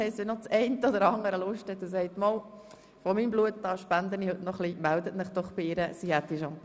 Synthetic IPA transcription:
ɛɪstʋinɔt͡sɛɪnt̪əɔd̪əɾɑŋəɾəlʊʃtɛt̪ʊs̬ɛɪt̪moːl | fɔmiːmbluətdɑːʃpænd̪ənihɵtnɔχlimæld̪ətmɪχd̥̪ɔχb̥ɪiɾəsihæt̪̚d̥iʃɑmp

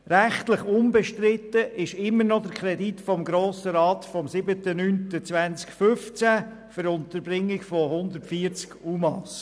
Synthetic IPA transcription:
ɾæχt̪ləχʊmbɛʃtɾɪtːəʔɪʃɪmːənɔd̪əkʰɾɛditfɔmɡɾoːsəɾɑːt̪fɔmsɪbətənyntət͡sʋænt͡skfʏft͡sæ | fəɾʊnt̪əɾbɾɪŋːɪɡfɔhʊnd̪əɾtfiːəɾt͡skumɑs

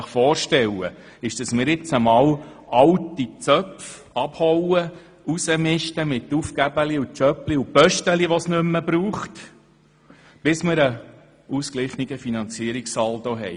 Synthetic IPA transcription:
əχfɔːrʃtɛwə̰ | ɪʃd̥ɑsmɪːɾjɪt͡səmɑːwɑwtit͡sœpf | ɑb̥hɔwə | usəmɪʃtəmɪtːufkæbəliut͡ʃœpliupœʃtəliʋɔsnʏmːəbɾuːχt | b̥ɪsmɪɾə | uskliχniɡ̥əfinɑnt͡siəɾiksɑːldɔɦɛj

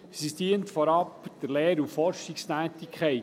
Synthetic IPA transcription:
sistiːəntfɔɾɑpd̥əɾleːɾufɔɾʃikst̪æːtɪkʰχɛɪ

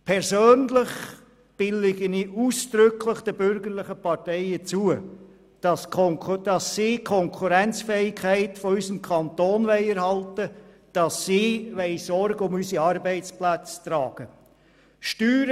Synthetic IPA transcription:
pʰɛɾsøːnlɪχ | b̥ɪlɪɡəniuːsd̥ɾʏkʰlɪχd̥ɛbʏɾɡəɾlɪχəpɑtɛɪət͡suə | d̥ɑsd̥ɑsːiːkʰɔŋkʰuɾɛnt͡sfɛːɪkʰːæɪtfɔysəmkʰɑnt̪oːnvɛɪɛɾhɑltə | d̥ɑsːiːʋɛɪsɔɾɡəʊmysiɑɾbɛɪt͡splæt͡stɾɑːɡ̥ə | ʃtyːɾ

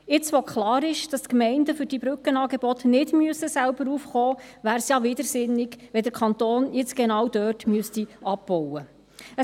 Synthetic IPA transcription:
ɪt͡sʋɔkʰχlɑːɾɪʃd̥ɑstkmɛɪndəfʏɾd̥ibɾʏkənɑːɡebɔtnɪdmyəsəsælbəɾuːfχoːvæːɾsjɑʋɪdəɾsɪnːɪɡʋɛdəɾkʰɑnt̪oːnjɪt͡sɡ̥enɑwd̥œːtmyəstiɑb̚b̥ɔwə | ə

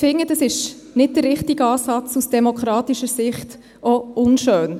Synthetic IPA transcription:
fɪŋːəd̥ɑsɪʃ | nɪt̚d̥ərːɪχtiɡəɑːsɑt͡susd̥ɛmokχɾɑːt̪iʃəsɪχt | ɔʊnʃøːn

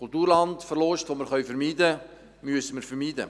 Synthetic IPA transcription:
kʊltuːɾlɑndfəɾlɔʃtʋoːməɾχœɥfɛɾmiːdə | myəsəməɾfəɾmiːdə̰

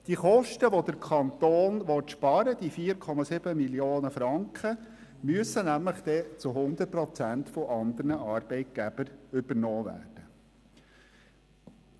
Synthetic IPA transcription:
d̥iχɔʃtəʋod̥̪əɾkʰɑnt̪oːnʋɔtʃpɑɾəd̥̪ifiːəɾkʰɔmɑsɪb̥əmiljoːnəfɾɑŋkχə | myəsənæmləχd̥̪ɛt͡suɦʊnd̪ət̚pɾɔt͡sænt̪fɔʔɑnd̪əɾnəɑːɾb̥ɛɪt̪̚ɡ̥æb̥əɾʏb̥əɾnɔːʋæ̰ːd̥ə

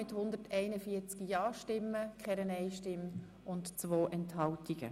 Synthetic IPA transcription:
ɪthʊnd̪ətʰɛɪnəfiːət͡skijɑːʃtɪmːəkχɛɾənɛɪʃtɪm | ʊntt͡sʋoːʔɛnthɑltiɡ̥ə̰

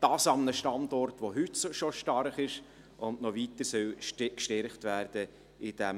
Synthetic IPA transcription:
d̥ɑːsɑmnəʃtɑndɔɾtʋoɦytsoʃɔʃtɑrχɪʃ | ʊndnɔʋitəɾsœlʃkʃtɛɾχtvæːɾd̥ə | ɪd̥ɛm

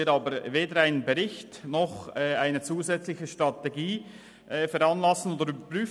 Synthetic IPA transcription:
ɪːɾɑːbəɾveːdəɾaɪnənbɛɾɪçtnɔχɛaɪnət͡suːzɛt͡slɪçəʃtɾʁɑteɡiː | ʔfɛɾɑnlɑsn̩oːd̪əɾybəɾpʁyː

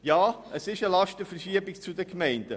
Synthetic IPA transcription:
jɑːʔəsɪʃəlɑʃtəfəɾʃiəbɪkt͡sudəkmɛɪnd̥ə

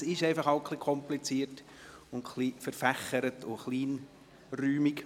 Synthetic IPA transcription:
sɪʃɛɪfɑχɑʊkʰχlikʰɔmplit͡siːət | ʊntχlifəɾfæχəɾətʊχliːn | ryːmik

